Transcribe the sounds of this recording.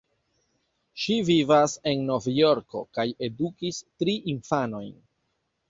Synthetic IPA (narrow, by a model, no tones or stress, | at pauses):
ʃivivase̞nːo̞vjo̞ɾko̞̰kaje̞dukistɾiʔinfano̞jn